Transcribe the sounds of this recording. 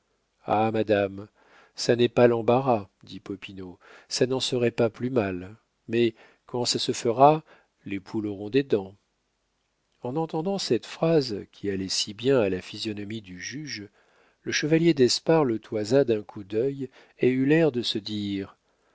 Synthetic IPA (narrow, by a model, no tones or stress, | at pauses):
amad̪am | sanɛpalɑ̃baʁad̪ipɔpinosanɑ̃səʁɛpaplymal | mɛ | kɑ̃sasəfəʁa | lepʰuloʁɔ̃d̪ed̪ɑ̃ | ɑ̃nɑ̃t̪ɑ̃d̪ɑ̃sɛt̪fχazkʲʰialɛsibjɛ̃alafizjɔnɔmid̪yʒyʒ | ləʃəvaljed̪ɛspaʁlət̪ʰwazad̪ɛ̃kʰud̪œj | eylɛʁd̪əsəd̪iʁ